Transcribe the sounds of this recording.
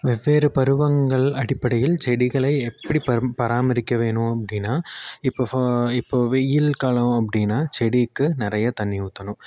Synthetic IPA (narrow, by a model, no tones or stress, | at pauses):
ʋɛʋːeːɾɯpɐɾɯʋɐŋɡɐɭɐɽɪpːɐɽɐjɪlt͡ʃɛɽɪɣɐɭɐɪɛpːɐɽipɐpɐɾaːmɐɾɪkːɐʋeːɳɯɐpːɐɽɪnːaːɪpːoɪpːoːʋɛjɪlkaːlɐmɐpːɐɽɪnːaːt͡ʃɛɽikːɯnɪɾɐjɐt̪ɐɳːɪʊt̪ːɐnɯ̃m